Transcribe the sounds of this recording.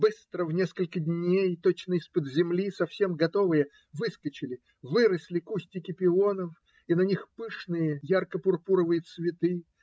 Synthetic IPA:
bɨst̪ɾəvnʲe̞skəlʲkədʲnʲejt̪ot͡ɕnəɪspəd̪zʲɪmlʲisɐfsʲe̞mɡɐt̪o̞vɨjə | vɨskət͡ɕɪlʲɪ | vɨɾəsʲlʲɪkusʲtʲɪkʲɪpʲɪonəf | inɐnʲixpɨʂnɨjəjarkəpʊrpuɾəvɨjət̪svʲɪt̪ɨ

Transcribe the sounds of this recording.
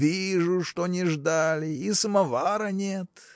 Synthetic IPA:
vʲiʐʊʂt̪onʲɪʐd̪alʲɪisəmɐvaɾənʲet̪

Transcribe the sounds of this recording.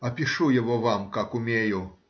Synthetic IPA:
ɐpʲiʂujɐʋɔvamkakumʲejʊ

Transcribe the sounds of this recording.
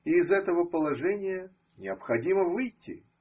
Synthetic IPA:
iːzɛt̪əvəpəlˠɐʐɛnʲɪjə | nʲɪəpxɐdʲiməvɨjtʲːɪ̰

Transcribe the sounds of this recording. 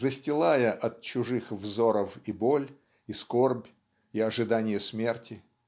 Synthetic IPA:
zəsʲtʲɪlˠajəʔɐt̪̚t͡ɕʊʐɨxvzo̞ɾəfibo̞lʲ | isko̞rbʲ | ɪɐʐɨd̪anʲɪjəsmʲe̞rtʲɪ

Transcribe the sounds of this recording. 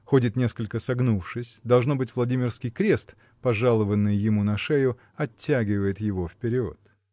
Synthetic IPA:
xo̞dʲɪt̪nʲe̞skəlʲkəsɐɡnufʂɨsʲd̪ɐlˠʐno̞bɨtʲvlˠɐdʲimʲɪrskʲɪjkɾʲe̞st̪ | pɐʐalˠəvənːɨjːɪmunɐʂɛjʊ | ɐtʲːæɡʲɪvəjɪt̪jɪvo̞fpʲɪɾʲɪo̰t̪

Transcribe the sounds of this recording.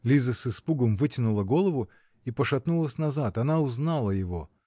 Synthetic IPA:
lʲizəsɨspuɡəmvɨtʲɪnʊlˠəɡo̞lˠəvʊ | ipəʂɐt̪nulˠəsʲnɐzat̪ɐnaʊznalˠəjɪvo̞̰

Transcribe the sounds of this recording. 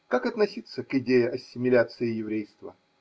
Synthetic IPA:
kakɐt̪nɐsʲit̪sːəkɪdʲejɪʔɐsʲːɪmʲɪlʲat̪sɨɪjɪvɾʲejst̪və̰

